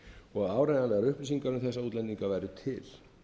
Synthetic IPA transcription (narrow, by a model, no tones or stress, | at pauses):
ɔɣaðaːwɾajnalɛɣaɾʏhpnɪsiŋkaɾʏmθɛsːauːt̪lɛniŋkavajɾʏt̪ʰɪl̥